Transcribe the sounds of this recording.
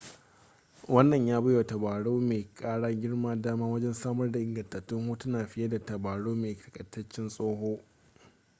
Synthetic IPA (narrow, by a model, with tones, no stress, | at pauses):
wɐ˦nːɐ˨ɲjaː˦bɐ˦jo˨tɐ˨baː˨ɽoː˦meː˨kʼaː˦ɽaː˦ɡʲɪ˦ɽmaː˦daː˦maː˦wɐ˦d͡ʒɛ˦nsaː˦mɐ˦rda˨ʔɪ˨ŋɡɐ˨ntɐ˨tːʊ˦ŋho˦tɐ˦naː˨ɸɪ˦jɐ˦da˨tɐ˨baː˨ɽoː˦meː˨tɐ̥˨kʼɐ˨tːɐ˦t͡ʃːɪ˦nsʼoː˦ɦoː˦